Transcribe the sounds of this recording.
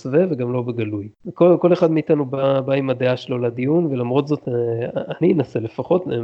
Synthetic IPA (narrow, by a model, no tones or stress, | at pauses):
sveveɡamlo̞beɡalujkolko̞leχad̪meitanubabaimad̪eaʃelo̞lad̪ijunvelamʁo̞tzo̞t̪aninase̞le̞faχo̞t